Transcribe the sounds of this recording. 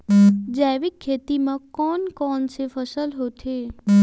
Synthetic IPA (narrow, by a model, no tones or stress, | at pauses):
d͡ʒaʋɪkʰːet̪imãkɔːnkɔːnt͡ʃʰefəsəlɦot̪ʰe